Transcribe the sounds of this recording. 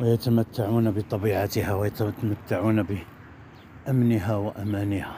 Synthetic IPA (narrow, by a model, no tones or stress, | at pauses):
wjət̪əmət̪ːaʕunæbət̪ˤɑbiʕat̪əhæwjət̪t̪mət̪ːaʕunæbə | ʔæmnəɦæwəʔæmænəhæ